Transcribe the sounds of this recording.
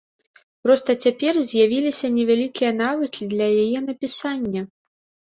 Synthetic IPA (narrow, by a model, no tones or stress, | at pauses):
pɾɔst̪ɐt͡sʲapʲɛrzʲjavʲilʲisʲɐnʲɛvʲalʲikʲijɐnavɨkʲid̪lʲɐjajɛnɐpʲisanʲːɐ